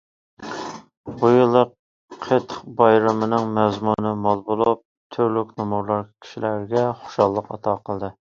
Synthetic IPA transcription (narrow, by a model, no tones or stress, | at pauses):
bujɨlˠːəq | qʰet̪χbɑjɾɨmɨnɨŋmɛzmunɨmɑlˠbolˠup̚ | t̪ʰyɾlykʲnumuɾlˠɑɾkʲʰi̥ʃilæɾɡʲɛχo̥ʃɑlˠːəqɑ̰t̪ʰɑqʰəlˠd̪ɨ